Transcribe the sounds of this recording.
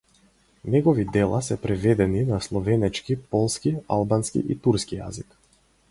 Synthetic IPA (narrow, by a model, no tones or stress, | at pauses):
nɛɡɔvid̪ɛlˠa̰sɛpɾɛvɛd̪ɛninaslˠɔvɛnɛt͡ʃkipɔlˠskia̰lˠbanskḭʔit̪uɾskija̰zik